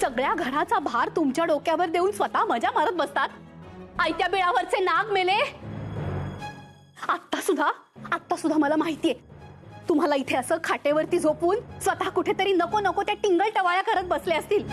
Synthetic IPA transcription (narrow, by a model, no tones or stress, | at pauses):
səɡɭjaɡʱəɾat͡sabʱaɾt̪umt͡ɕjaɽokjaʋəɾd̪euːnsʋət̪aməd͡ʑjam̤əɾət̪̚bəst̪at̪̚ajt̪jabiɭaʋəɾt͡senaɡmele | at̪ːasud̪ʱːaː | t̪ːasud̪ʱːaməlamaɦit̪ijet̪um̤alait̪ʰeəsəkʰaʈeʋəɾt̪iːd͡zʱopuːnsʋət̪akuʈʰet̪əɾiːnəkonəkot̪jaʈiŋɡəɭʈəʋajakəɾət̪̚bəsleəst̪iːl